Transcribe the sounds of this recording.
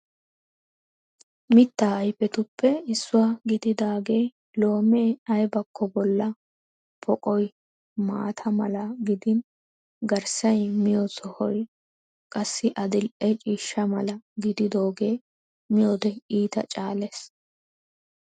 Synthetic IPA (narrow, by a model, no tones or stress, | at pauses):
mɪt̪ːaːɐjfɛt̪ʊpːɛɪsːʊwaːɡɪd̪ɪd̪aːɡeː | lo̞ːmeːɐjbɐkʰːɔbɔlːɐ | pʰɔkʼɔj | ma̰ːt̪ʰɐmɐlɐɡɪd̪ɪn | ɡɐɾsɐjmɪjosɔhɔj | kʼɐsːɪʔɐd̪ɪlʔɛt͡ʃʼiːʃːɐmɐlɐɡɪd̪ɪd̪o̞ːɡe̞ː | mɪjo̞ːd̪ɛiːt̪ɐ̰t͡ʃʼaːleːs